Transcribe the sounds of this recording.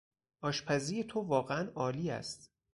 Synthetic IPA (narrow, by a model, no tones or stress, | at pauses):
ʔɒːʃpʰæziːjet̪ʰovɒːɣeænɒːliːæ̰st̪